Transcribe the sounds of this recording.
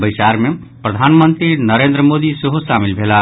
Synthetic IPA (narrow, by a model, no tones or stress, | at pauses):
bəjsaɾme | pɾəd̪ʱanmənt̪ɾinəɾend̪ɾəmod̪iseɦosamilbʱela